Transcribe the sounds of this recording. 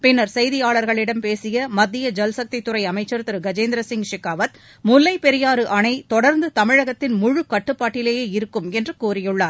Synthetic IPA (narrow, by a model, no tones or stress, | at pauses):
pɪnːɐɾsɛjðɪjaːɭɐɾɣɐɭɪɽɐmpeːsɪjɐmɐd̪ːɪjɐd͡ʒɛlsɐk̚t̪ɪt̪ːɯɾɐɪɐmɐɪt͡ʃːɐɾt̪ɯɾɯɡɐd͡ʒeːnd̪ɾɐsɪŋʂɪkːaːʋɐt̪̚ | mʊlːɐɪpɛɾɪjaːɾɯʔɐɳɐɪt̪ɔɽɐɾnd̪ɯt̪ɐmɪɻɐɣɐt̪ːɪnmʊɻɯkɐʈːɯpːaːʈːɪleːjeːɪɾɯkːɯmɛndrɯkuːɾɪjɯɭːaːɾ